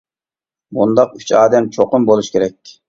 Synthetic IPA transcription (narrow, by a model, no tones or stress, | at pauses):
bund̪ɑqyt͡ʃɑːd̪ɛmt͡ʃʰoqʊmbolˠuʃkʲʰeɾɛk̚ʲ